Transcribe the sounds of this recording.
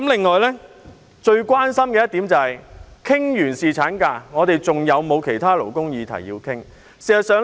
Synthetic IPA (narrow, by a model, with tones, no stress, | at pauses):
ɐ˨˦mlɪ˨ŋːɔː˨jlɛː˥ | t͡ʃɵ˧ɥkʷaː˥nsɐ˥mkɛː˧jɐ˥t̚t̪i˨˥mt͡sɐ˨hɐ˨jkʰɪ˥ŋjyː˨˩nsiː˨˩t͡sʰaː˨˥nkaː˧ŋɔː˨˧t̪e˨jt͡sʊ˨ŋjɐ˨˧wmo˨˧wkʰe˨˩jt̪ʰaː˥lo̰˨˩wkʊ˥ŋjiː˨˧t̪ʰɐ̰˨˩jḭː˧wkʰɪ˥ŋ | siː˨ɐ˨˩sœː˨˧ŋ